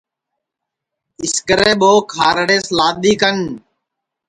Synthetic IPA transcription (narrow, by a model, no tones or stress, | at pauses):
ɪskəɾeːɓoːkʰaːɾɽeːslaːd̪iːkən